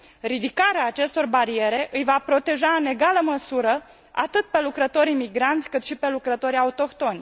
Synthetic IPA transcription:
rid̪ikaɾeaːt͡ʃe̞st̪o̞rbaɾie̞ɾe̞ʔɨjvapɾo̞t̪e̞ʒaɨne̞ɡaləməsuɾə | a̰t̪ɨt̪̚pe̞lukɾət̪o̞ɾimiɡɾant̪sʲkɨt̪ʃipe̞lukɾət̪o̞ɾiaut̪o̞kt̪o̞nʲ

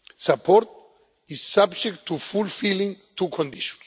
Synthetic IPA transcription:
sapʰɔɾt̪ | isːabd͡ʒɛkt̪ʰːufulfilĩŋt̪ukʰɔ̃nd̪iʃɔ̥̃ns

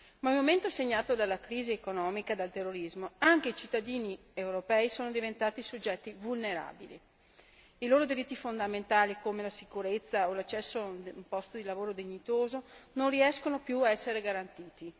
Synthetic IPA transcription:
mailmoment̪oseɲːaːt̪od̪alːakɾiːziekonɔːmikad̪alt̪erːoɾizmoaŋk̟eit͡ʃit̪ːad̪iːni | ewɾopɛːisoːnod̪ivent̪aːt̪isod͡ʒːɛt̪ːivulneɾa̰ːbilḭ | iloːɾod̪iɾit̪ːifond̪ament̪aːlikomelasikuɾet̪sːaolat͡ʃːɛsːoauumpɔst̪od̪ilavoːɾod̪eɲːit̪oːzononriɛskonopjuaɛsːeɾeɡaɾant̪iːt̪i

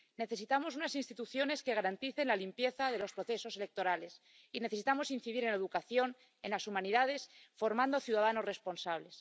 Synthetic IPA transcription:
ne̞θe̞sit̪amo̞sunasinst̪it̪uθjo̞ne̞ske̞ɣ̞aɾant̪iθe̞nlalimpje̞θaðe̞lo̞spɾo̞θe̞so̞se̞le̞k̚t̪o̞ɾale̞s | ineθe̞sit̪amo̞sinθiðiɾe̞nleðukaθjo̞n | enlasumãniðað̞e̞sfo̞ɾmãnd̪oaθjuð̞að̞ano̞zre̞spo̞nsaβ̞le̞s

